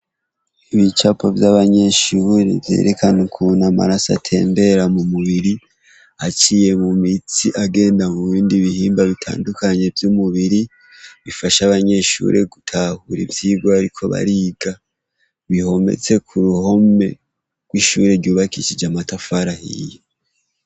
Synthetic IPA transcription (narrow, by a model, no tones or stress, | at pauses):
iβit͡ʃapʰovjaβaɲe̞ʃuːɾḛvje̞̰ɾekʰanekʰunama̰ɾasa̰tʰe̞̰ːmbe̞ɾamumuβiɾi | hat͡ʃije̞mumit͡siʔaɡe̞ːndamuβiːndiβihiːmbaβitʰa̰ːndukaɲe̞vjumuβiɾi | βifaʃaβaɲe̞ʃṵːɾʔe̞ɡutʰahuɾḭvjiːɡwaaɾikʰo̞βa̰ɾiɡa | βiho̞mḛt͡se̞kʰuɾuho̞me̞ | ɡ̥wiʃuːɾe̞ɾɟuːβakiʃid͡ʒamatafaɾahḭjo